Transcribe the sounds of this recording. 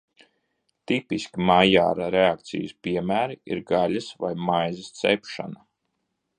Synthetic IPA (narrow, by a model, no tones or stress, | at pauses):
t̪ipiskʲimaja̰ːɾaɾeak̚t̪sḭjəspiɛmæːɾiiɾɡalɐsva̰jmajzɐst̪sɛpʃa̰na